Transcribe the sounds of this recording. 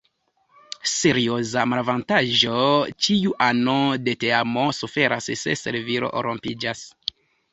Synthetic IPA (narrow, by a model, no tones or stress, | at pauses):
se̞ɾiozamalvantaʒo̞t͡ʃiuʔanode̞te̞amosufe̞ɾʔasse̞̰se̞̰ɾviɾo̞̰ʔo̰ɾompid͡ʒas